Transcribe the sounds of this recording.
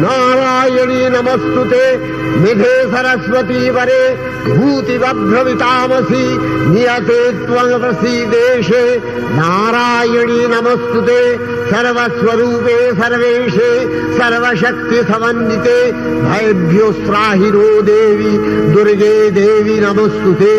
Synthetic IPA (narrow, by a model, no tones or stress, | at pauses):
naːɾaːjɐɳinɐmɐst̪ut̪eː | med̪ʱeːsɐɾɐsʋɐt̪iːʋɐɾeː | bʱuːt̪iʋɐd̪ɾɐʋit̪aːmɐsinijɐt̪eːt̪ʋɐɐpɾɐsiːd̪eːʂeː | naːɾaːjɐɳinɐmɐst̪ut̪eː | sɐɾʋɐsʋɐɾuːpeːsɐɾʋeːʂeː | sɐɾʋɐʃɐk̚t̪isɐʋɐnjit̪eː | bʱɐjɐbʱjoːsɾaːɦiɾoːd̪eːʋid̪uɾid̪eːd̪eːʋinɐmɐst̪ut̪eː